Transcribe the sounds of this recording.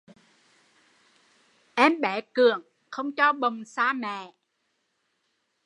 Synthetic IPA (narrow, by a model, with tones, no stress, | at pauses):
ʔɛ˧mɓɛ˨˦kɨ˨˩əŋ | xə˧wŋ͡mt͡ɕɔ˧ɓə˨˩wŋ͡msaː˧mɛ̰ː˧˨